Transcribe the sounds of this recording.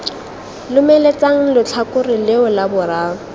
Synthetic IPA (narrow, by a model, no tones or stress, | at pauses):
lʊmɛlet͡saŋ̩lʊt͡ɬʰakʊrɪlɪʊlabʊraː